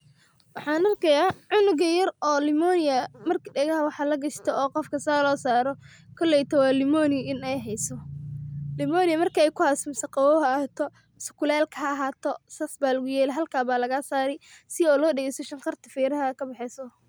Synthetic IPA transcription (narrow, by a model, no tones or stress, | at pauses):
wɑħɑːnɐrkʰɛjaːʕʊnʊɣɐjɐrʔɔːlɪmɔːnɪjɐmɐrkʰɖɛɣɐɦɐwɑħɑːlɐɡɐʃt̪ʰɛɔːqɔfkʰɐsaːlɔːsaːɾɔ | kʰɔlːɛjt̪ʰɐwɑːlɪmɔːnɪjɪnɛjɦɛjsɔ | lɪmɔːnɪjɐmɐrkʰɐɛjkʰʊhaːsɔmɪsɐqɑwɔːɦɐt̪ʰɔ | mɪsɐkʰʊlɛːlkʰɐɐɐɦaːt̪ʰɔsɐsbaːlɐɣʊjɛːlɛɦɐlkʰaːβaːlɐɣaːsaːɾɛjsɪɔːlɔːɖɛɣɛjsɔʃɐŋqɑrt̪ʰɪ̥fɛːɾɐɦɐkʰɐbɪħɛsɔ